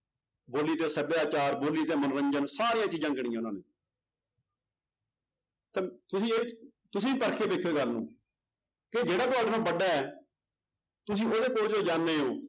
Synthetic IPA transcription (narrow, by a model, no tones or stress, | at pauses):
boːliːt̪eːsəbjaːt͡ʃaːɾboːliːt̪eːmənɾə̃ɲd͡ʒənsaːɾɪjãːt͡ʃiːd͡ʒãːɡɽĩːãʊnãːneː | t̪eːt̪ʊsĩːeː | t̪ʊsĩːiːpəɾkʰeːbeːkʰːoeːɡəlːnṵ̃ː | ked͡ʒeːɽaːt̪ʊaːɖnãːbəɖaːɛː | t̪ʊsĩːʔoːd̪eːkoːɾd͡ʒoːd͡ʒãːnːeːɦo̰ː